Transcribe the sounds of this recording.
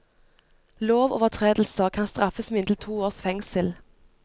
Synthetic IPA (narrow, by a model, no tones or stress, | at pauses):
loːʋo̰ːʋət̪ʰʁeːd̪l̩səkʰɑnst̪ʁɑfəsmɪnd̪l̩t̪ʰuːoːʁsfɛŋsəl